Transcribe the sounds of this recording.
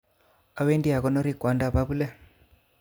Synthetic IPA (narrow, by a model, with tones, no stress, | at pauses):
a˦we˦ndi˦a˨kɔ˦nɔ˦ɾi˨kwa˨˦nda˦˨βa˦βu˦lɛ˦